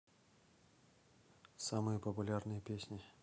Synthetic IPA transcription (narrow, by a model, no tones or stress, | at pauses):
samɨjəpəpʊlʲarnɨjəpʲesʲnʲɪ